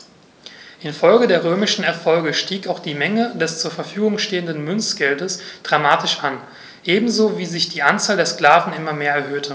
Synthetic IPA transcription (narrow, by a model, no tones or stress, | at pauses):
ʔɪnfɔlɡədeːɐʁ̞øːmɪʃn̩ɛɐfɔlɡəʃtiːkaʊxd̥iːmɛŋədɛst͡suːɐfɛɐfyːɡʊŋʃteːəndənmʏnsɡ̥ɛldəsd̥ʁamaːtɪʃʔan | ʔeːbm̩zoːviːzɪçd̥iːʔant͡saːldeːɐskl̥aːvn̩ɪmɐmeːɐɛɐɦøːtʰə